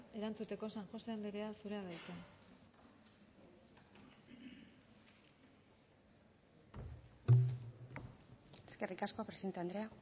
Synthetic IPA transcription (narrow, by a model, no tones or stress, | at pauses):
e̞ɾant͡sut̪e̞ko̞sanʝo̞seand̪eɾe̞asuɾeaðajt͡se | eske̞rikaskoapɾesient̪eand̪ɾe̞a